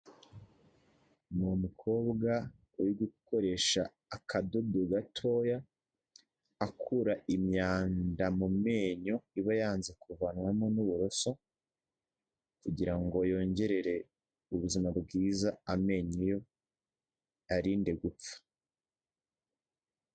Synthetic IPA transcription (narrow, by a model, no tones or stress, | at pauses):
mumukʰo̞ːbɡa | ojoɡuko̞ɾe̞ʃaː | kʰado̞doɡatʰo̞ːja | kʰuɾaʔimɲaːndamume̞ːɲoiβajaːnzekuvanwamonuβuɾo̞so̞ | kuɟiɾaŋɡo̞jo̞ːɲɟe̞ɾe̞ɾe̞ | uβuzimabɡiːzaame̞ːɲujo̞ | aɾiːnde̞ɡup͡fḁ